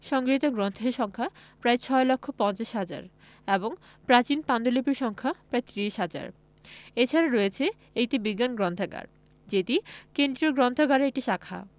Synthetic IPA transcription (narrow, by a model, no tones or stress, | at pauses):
ʃɔŋɡɾit̪oɡɾɔnt̪ʰeʃɔŋkʰapɾajt͡ɕʰɔelokʰːopɔ̃nt͡ɕaʃɦad͡ʑa̰ɾ | eboŋ | pɾat͡ɕinpand̪olipiɾʃɔŋkʰapɾaet̪ɾiʃɦad͡ʑa̰ɾ | et͡ɕʰaɾaɾɔjet͡ɕʰe | ejʈibiɡːanɡɾɔnt̪ʰaɡa̰ɾ | d͡ʑet̪ikend̪ɾioɡɾɔnt̪ʰoɡaɾeek̚ʈiʃakʰa̰